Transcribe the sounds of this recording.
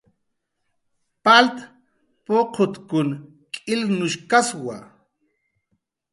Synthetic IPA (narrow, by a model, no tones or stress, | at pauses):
palt̪ | poqʰʊt̪kʊn | kʼɪlnʊʃkaswa̰